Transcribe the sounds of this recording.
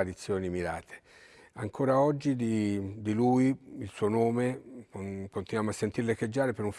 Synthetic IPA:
aɾit̪sːjoːnimiɾaːt̪ʰe̥ | aŋkʰoːɾaɔd͡ʒːid̪id̪ilujiilsuːonoːme | kont̪inwamoasːent̪irlekːed͡ʒːaːɾepeɾuɱf

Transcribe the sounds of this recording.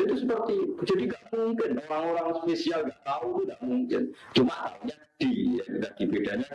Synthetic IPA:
it̪usəpərt̪id͡ʒadiŋɡaʔmuŋkɪnoɾaŋoɾaŋspesialŋɡaʔt̪aut̪uŋɡaʔmuŋkɪnt͡ʃumataɲa | d̥ijadad̥ibedaɲa

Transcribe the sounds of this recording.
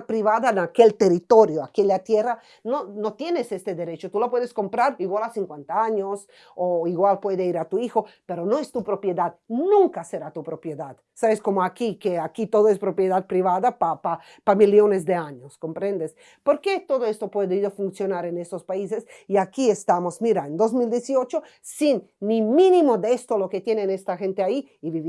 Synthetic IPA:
pɾiβaðanakelt̪erit̪oɾjoakiellat̪jera | nonot̪jenesest̪ed̪eɾet͡ʃot̪ulopweðeskompɾaɾiɣwalasiŋkwẽnt̪aaɲos | oiɣwalpweðeiɾat̪uixopeɾonoest̪upɾopjed̪ad̪nũŋkaseɾat̪upɾopjeðad̪ | saβeskomoakikeakit̪oðoespɾopjeðad̪̚pɾiβaðapapa | pamiljonezd̪eaɲoskompɾẽnd̪es | poɾket̪oðoest̪opweðeiðofunsjonaɾenest̪ospaisesiakiest̪amozmiɾaend̪ozmild̪jesiot͡ʃo | sinː | imĩnimod̪eest̪oloket̪jenenest̪axent̪eaiːβiβi

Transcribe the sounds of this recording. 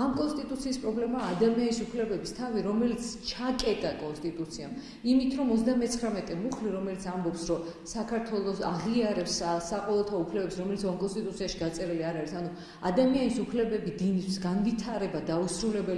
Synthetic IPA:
amkʼɔnst̪ʼit̪ʼut̪sʰiːspʼɾɔblɛmaːd̪amianisupʰlɛbɛbist̪ʰaviɾɔmɛlit̪sʰt͡ʃʰakʼɛt̪ʼakʼɔnst̪ʼit̪ʼut̪sʰiam | imit̪ʰɾɔmɔzd̪amɛt̪sʰχɾamɛt̪ʼɛmuχliɾɔmɛlit̪sʰambɔpsɾɔ | sakʰaɾt̪ʰwɛlˠɔsaʁiaɾɛpssaqʼɔvɛlˠt̪ʰaupʰlɛbɛpsɾɔmɛlisamkʼɔnst̪ʼit̪ʼut̪siaʃiɡat̪sʼɛɾiliaɾaɾisanu | ad̪amianisupʰlɛbɛbid̪init̪ʰsɡanvit̪ʰaɾɛbad̪ausɾulɛbɛli

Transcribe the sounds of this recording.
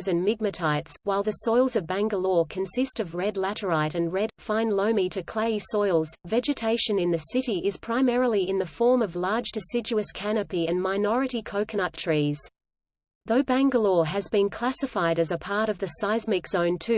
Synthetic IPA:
zɨ̃nmɪɡ̚mɨtʰaɪtswaɪlˠðɨsɔɪlˠzʌvbæ̃ŋɡəlɔɹkʰɨ̃nsɪstʌvɹɛdˡlæɾə˞aɪɾɨ̃nɹɛd̥fãɪ̃nlõʊ̃miɾɨkʰl̥eɪsɔɪlˠz̥vɛd͡ʒɨtʰeɪʃɨ̃nɨ̃nðɨsɪɾiʔɪz̥pʰɹ̥aɪmɛɹl̩ˠiɨ̃nðɨfɔɹmʌvlɑɹd͡ʒdɨsɪd͡ʒʉɨskʰænɨpiɨ̃nmaɪnɔɹɨɾikʰoʊkʰɨnət̚tʰɹ̥iz̥ | ðoʊbæ̃ŋɡəlɔɹɨzbɨ̃nkʰl̥æsɨfaɪɾɨzəpʰɑɹɾʌvðɨsaɪzmɨkz̥õʊ̃ntʰʉ

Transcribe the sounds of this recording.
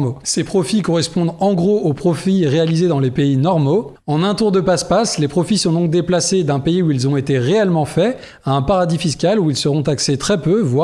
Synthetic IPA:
osepχɔfikɔʁɛspɔ̃d̪ɑ̃ɡʁoopχɔfiʁealized̪ɑ̃lepeinɔʁmo | ɑ̃nɛ̃t̪uʁd̪əpaspaslepχɔfisɔ̃d̪ɔ̃ŋk̚d̪eplased̪ɛ̃peiuilzɔ̃et̪eʁeɛlmɑ̃fɛ | aɛ̃paʁad̪ifiskʲaluilsəʁɔ̃t̪akset̪χɛpøvwa

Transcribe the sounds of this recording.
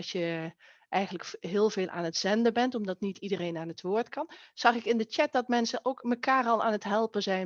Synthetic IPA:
ʃjə | ʔɛjχənləkɦɪːlˠveːlˠʔa̰ːnətz̥ɛndəbɛntɔmdɑtnitidərejnaːnɦətʋoːɹtkɑnz̥ɑχɪkɪndət͡ʃɛt̚dɑt̚mɛnsənʔowkməkaːrɑlˠa̰ːnətɦɛlˠpənzɛj

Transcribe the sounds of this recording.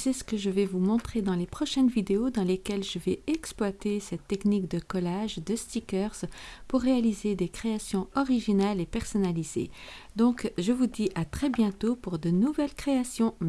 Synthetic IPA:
sɛsə̥kəʒəvɛvumɔ̃t̪χed̪ɑ̃lepχɔʃɛnvid̪eod̪ɑ̃lekʲɛlʒəvɛɛksplwat̪esɛt̪ːɛknikd̪əkɔlaʒd̪əst̪ikʲœʁzpuʁːealized̪ekχeasjɔ̃ɔʁiʒinalepɛʁsɔnalizḛd̪ɔ̃kʒəvud̪iʔat̪χɛbjɛ̃t̪opuʁd̪ənuvɛlkχeasjɔ̃

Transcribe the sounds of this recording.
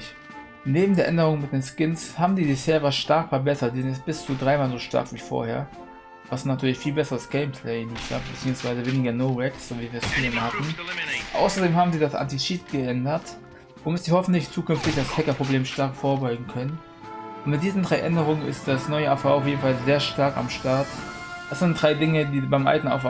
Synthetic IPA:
neːbm̩deːɐʔɛndəʁʊŋənmɪt̚d̥eːnskɪnshaːbm̩diːbɪsheːɐvaʃtaɐkfɛɐbɛsɐt̚d̥ɛnɪst̚b̥ɪst͡sudʁaɪmaːlzoːʃta̰ɐkv̥iːfo̰ːɐhḛːɐ | v̥asnatʰyːɐlɪçfiːlbɛsəʁəsɡ̥ɛɪmpʰlɛɪɪniːsa̰b̥ət͡siːʊŋsv̥aɪzəveːnɪɡɐnoʊʁɛksz̥oːviːviːɐst͡suleːməhatn̩ʔa̰ʊsɐdeːmhaːbm̩ziːdasʔa̰ntiʃitɡ̥əʔɛndɐt | voːmɪtz̥ihɔfn̩tlɪçt͡suːkʏnftɪçd̥ashɛkɐpʁ̥obleːmʃtaɐkfoːɐbɔʏɡŋ̩kʰœnən | ʊntmɪt̚d̥iːzn̩dʁaɪʔɛndəʁ̞ʊŋənɪ̰st̚d̥asnɔʏəɛɐfaʊʔaʊfjeːdn̩falzeːɐʃtaɐka̰mʃtaɐt | d̥asz̥ɪntd̥ʁaɪdɪŋədiːbaɪmʔa̰ltn̩a̰ʊf

